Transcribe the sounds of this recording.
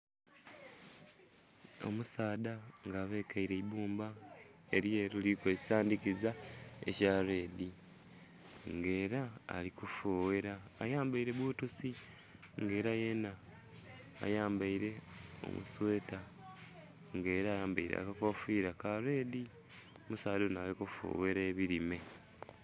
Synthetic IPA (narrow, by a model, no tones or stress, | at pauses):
o̞̰musaːdaŋɡaːβe̞ːkaiɾe̞ibuːmbae̞ɾjeːɾulikwesaːndikizaḛcaɾe̞ːdi | ŋɡe̞ːɾa̰ːlikufoːweɾaːjaːmbaiɾe̞βuːtusi | ŋɡe̞ːɾaje̞na̰ː | jaːmbaiɾe̞o̰mṵsweːta | ŋɡe̞ːɾaːjaːmbaiɾḛa̰kakofiːɾakaɾe̞ːdi | omusaːdonaːlikufo̰we̞ɾe̞ːβiɾime̞